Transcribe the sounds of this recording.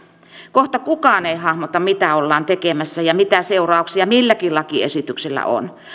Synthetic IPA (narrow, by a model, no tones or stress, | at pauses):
koht̪ɑkukɑːˑneihɑhmot̪ɑmit̪æolːɑːnt̪ekemæsːæjɑmit̪æseurɑˑuksiɑmilːækilɑkiḛsit̪ykselːæ̰ʔo̰n